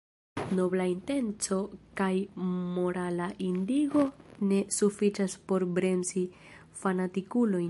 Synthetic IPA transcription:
no̞blainte̞nt͡so̞kajmo̞ɾalaʔindiɡo̞ne̞sufit͡ʃaspo̞ɾbɾe̞msi | fanatikulo̞jn

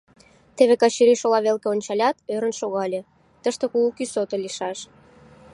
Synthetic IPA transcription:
t̪eβekɑt͡ɕiɾiʃolɑβelkeonʲt͡ɕɑlʲɑt̪øɾə̆nʃoɣɑlʲe | t̪əʃt̪ekuukysot̪olʲiʃɑʃ

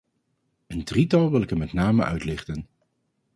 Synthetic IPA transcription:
əndritɑlˠʋɪlˠɪkəmɛtnaːməʔœ̰ɥtlɪχtən

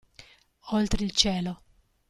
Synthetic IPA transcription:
olt̪ɾeilt͡ʃɛːlo

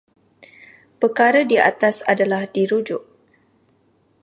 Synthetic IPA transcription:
pəkaɾədia̰t̪asadalahdiɾud͡ʒʊʔ

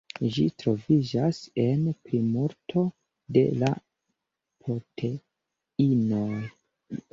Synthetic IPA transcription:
d͡ʒitɾo̞vid͡ʒase̞npɾimoɾtʰo̞ | de̞̰la̰ | pɾo̞tʰe̞ | ino̞

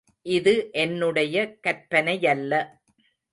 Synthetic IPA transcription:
ʔɪðɯʔɛnːɯɽɐjɐkɐɾpɐnɐjɐlːɐ

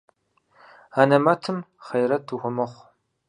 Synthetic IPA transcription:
anɐmɐtʰɨm | χɐjɾɐtʰuxʷʊmɐχʷ

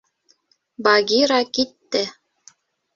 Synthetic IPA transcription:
bɑɡʲiɾɑkit̪ːɘ

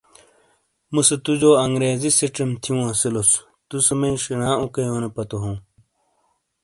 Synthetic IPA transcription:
musɐt̪ud͡ʑoːɐŋɡɾeːzisiʈ͡ʂɐmt̪ʰiũɐsilos | t̪usɐmɐĩʂinãːukɐjoːnepɐt̪oɦũː

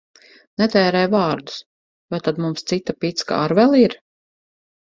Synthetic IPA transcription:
nɛt̪ɛːɾɛjvaːɾd̪u̥s | vajt̪ad̪mumst̪sit̪ːapit̪ska̰ːɾvɛlˠiɾ

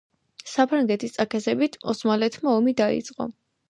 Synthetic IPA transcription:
sapʰɾaŋɡɛt̪ʰist̪sʼakʰɛzɛbit̪ʰɔsmalɛt̪ʰmaɔmid̪aḭt̪sʼqʼɔ̰

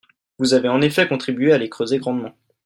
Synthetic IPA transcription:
vuzaveɑ̃nefɛkɔ̃t̪χibɥealekχøzeɡʁɑ̃d̪mɑ̃

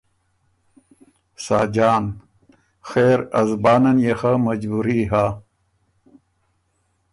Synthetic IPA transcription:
saːd͡ʑaːn | xeːɾɐ̰zbaːnɐnjexamɐd͡ʑbuɾiɦa

